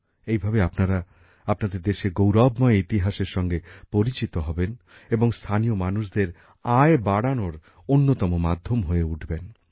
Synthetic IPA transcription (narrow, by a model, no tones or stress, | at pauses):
ejbʱabeapnaɾa | apnad̪eɾd̪eʃeɡowɾabmɔeit̪iɦaʃeɾʃɔŋɡepoɾit͡ɕit̪oɦɔben | eboŋst̪ʰanijomanuʃd̪eɾ | aebaɽanoɾ | onːot̪ɔmomad̪ʱːomɦoeuʈʰben